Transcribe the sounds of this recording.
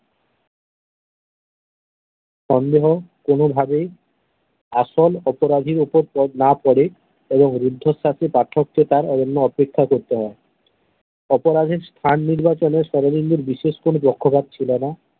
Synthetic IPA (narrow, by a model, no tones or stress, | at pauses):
ʃɔnd̪eɦokonobʱabe | aʃolɔpoɾad̪ʱiɾupoɾpnapɔɽe | eboŋɾud̪ʱːosasipaʈʰːok̚t̪et̪aɾɔonːoɔpekʰːakoɾt̪eɦɔe | ɔpoɾad̪ʱiɾst̪ʰanːiɾbat͡ɕoneɾʃɔɾolind̪uɾbiʃeʃkonobɔkʰːopad̪̚t͡ɕʰilena